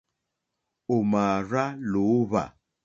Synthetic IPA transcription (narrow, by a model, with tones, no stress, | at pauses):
o˨ma˨ɾa˦lo˨˦βa̰˨